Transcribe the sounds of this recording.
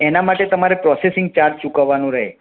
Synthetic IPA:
enamaʈet̪əmaɾepɾɔsesɪŋɡ̚t͡ʃaɾd͡ʒt͡ʃukəʋːanũɾəɦḛ

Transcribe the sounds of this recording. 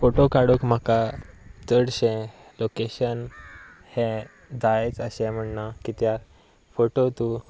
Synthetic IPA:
foʈokaɽukm̤akat͡səɽɕɛ̃lokeɕən | hẽ | d͡zajet͡səɕɛ̃m̤əɳnakit̪ja | foʈot̪u

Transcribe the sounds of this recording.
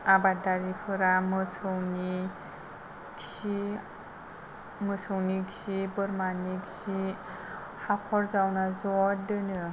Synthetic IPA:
abadaɾipʰɯɾamɯsʰɯwni | ksi | mɯsʰɯwniksibɯɾmaniksi | hakʰɔɾzawnazɔdɯnɯ

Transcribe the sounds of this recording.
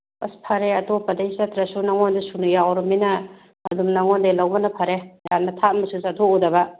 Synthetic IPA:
ɐspʰɐɾeɐtopːɐdejsɐtɾɐsunɐŋondesunujawɾɐminɐː | dumnɐŋondelɐwbɐnɐpʰɐɾejanːɐtʰat̚mɐsusatʰoudɐbɐ

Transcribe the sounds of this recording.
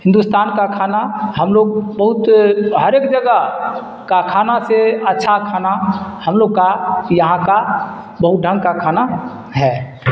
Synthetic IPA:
hĩnd̪ust̪ʰankakʰanaɦəmloɡ̚bəɦut̪ɦəɾeːkd͡ʒəɡə | kakʰanaseətːʃʰakʰanahəmloɡ̚kajəɦãka | bəɦut̪̚ɖʱə̃ŋɡkakʰana | ɦɛ

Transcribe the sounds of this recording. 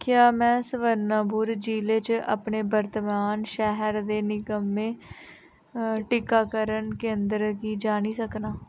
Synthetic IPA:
kɪjaːmɛ̃ːsəʋəɾnaːbuːɾd͡ʒiːleːt͡ʃa̰pɳeːbəɾt̪əmaːnʃɛɦəɾd̪eːnɪkəmːẽː | ʈɪkːaːkəɾənkẽːnd̪ɾkiːd͡ʒaːñiːsəknaː

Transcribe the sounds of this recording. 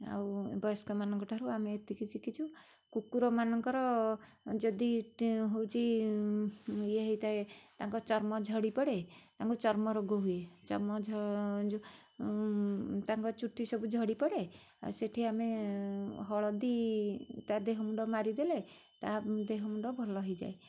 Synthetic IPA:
a̰wbɔskɔmanɔŋkɔʈʰaɦɾuameːt̪ikit͡ʃʰikit͡ʃʰu | kukuɾɔmanɔŋkɔɾɔ | d͡ʒɔd̪iɦowt͡ʃʰi | eɦit̪aet̪aŋkɔt͡ʃɔɾmɔd͡ʒʱɔɽipɔɽet̪aŋkut͡ʃɔɾmɔɾɔɡuɦuet͡ʃɔɾmɔd͡ʒʱɔd͡ʒu | t̪aŋkɔt͡ʃuʈʰːisɔbud͡ʒʱɔɽipɔɽe | a̰seʈʰiame | ɦɔɭɔd̪it̪ad̪eɦɔmuɖɔmaɾid̪ele | t̪ad̪eɦɔmuɳɖɔbʱɔlɔɦɔjd͡ʒa̰e

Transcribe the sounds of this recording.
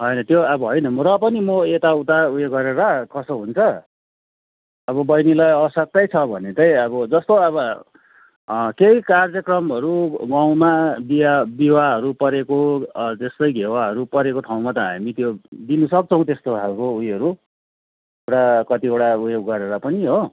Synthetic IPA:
ɦʌjnʌt̪joʌbʌɦʌjnʌmɾʌpʌnimʌet̪aut̪aujoɡʌɾeɾakʌsoɦunt͡sʰʌ | ʌbʌbʌjnilajʌʌsʌk̚t̪ʌjt͡sʰʌbʱʌnet̪ʌjʌbʌd͡zʌst̪oʌβʌ | kejkard͡zjʌkrʌmɦʌɾuɡaw̃mabiabiwaɦʌɾupʌɾekot̪est̪ʌjɡʱewaɦʌɾupʌɾekoʈʰaw̃mat̪ʌɦa̰mit̪jod̪inusʌk̚t͡sʰʌ̃w̃t̪est̪oɦʰalkoujʌɾu | eʈakʌt̪ieʈaujoɡːʌɾeɾapʌniɦo

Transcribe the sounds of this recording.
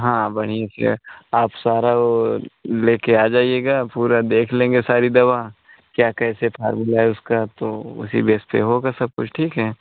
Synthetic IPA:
ɦãːbɐɽ̤̃ijesḛaːpsaːɾao | leːkeaːd͡ʒaːieːɡaːpuːɾad̪eːkʰlẽːŋɡesaːɾid̪ɐʋaː | kjaːkɛːsepʰa̰ːɾmʊlaɦɛʊskat̪oʊ̰sḭbeːspḛɦoːɡasɐb̚kʊt͡ʃʰʈʰiːkɦɛː

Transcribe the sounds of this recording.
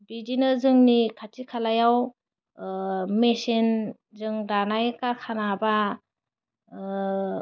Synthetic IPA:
bidinɯzɯŋnikʰatikʰalajaw | mesin | zɯŋdanajkaɾkʰanaba

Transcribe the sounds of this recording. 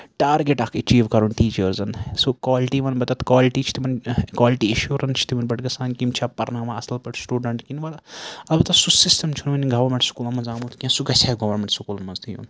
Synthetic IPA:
ʈaːɾɡeʈɐkʰɐt͡ʃiːʋkɐɾunʈiːt͡ʃɐɾzɐnsokwaːliʈiːʋɐnbɐt̪ɐt̪kwaːliʈiːt͡ʃʰt̪ʰimɐnkwaːliʈieʃuːɾɐnt͡ʃʰi̥t̪imɐnbɐʈɡɐsaːnkimt͡ʃʰaːpɐɾnaːmaɐsɐlpɐʈsʈuːɖɐɳʈkinʋɐlɐbɨt̪ɐsusisʈɐmt͡ʃʰunʋɐniɡɐʋɐɾmeɳʈsu̥kulɐmɐnzaːmut̪kʲɐ̃suɡɐsaːɡɐʋɐɾmeɳʈsukulɐnmɐnzt̪ijṵːn

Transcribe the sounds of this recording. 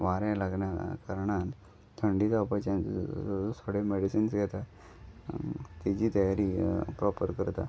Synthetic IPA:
ʋaɾẽlaɡɳjakəɾɳãt̪ | t̪ʰəɳɖiːt̪apət͡ɕjãt͡sosʰoɽemeɽisinsɡʱɛt̪a | t̪id͡ʑiːt̪əjaɾiːpɾɔpəɾkəɾt̪a̰

